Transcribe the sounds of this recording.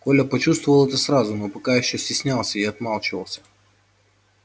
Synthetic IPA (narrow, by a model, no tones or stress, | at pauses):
kolʲəpɐt͡ɕust̪vʊvəlˠɛt̪əsɾazʊnopɐkajɪɕːosʲtʲɪsʲnʲalˠsʲəɪɐt̪malˠt͡ɕɪvə̰lˠsʲə̥